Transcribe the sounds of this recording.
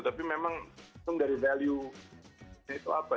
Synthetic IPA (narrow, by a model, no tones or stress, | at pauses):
t̪apimemaŋt̪ʊŋdaɾivalju | ɲait̪uapa